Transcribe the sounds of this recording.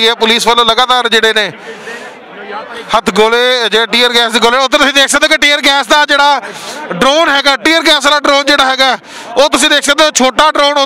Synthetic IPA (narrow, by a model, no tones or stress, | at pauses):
ɛːpʊliːsʋəlõːləɡaːt̪aːɾd͡ʒeːɽeːneː | hət̪ʰɡoːleːd͡ʒeːʈiːəɾɡɛːsd̪eːɡoːleːʊt̪ːeːt̪ʊsĩːd̪eːkʰsãːd̪aːkɪʈiːəɾɡɛːsd̪aːd͡ʒeːɽaːɖɾoːnɦɛːɡaːʈiːəɾɡɛːslaːɖɾoːnd͡ʒeːɽaːɦɛːɡaː | oːt̪ʊsĩːd̪eːkʰsãd̪aːt͡ʃʰoːʈaːɖɾoːno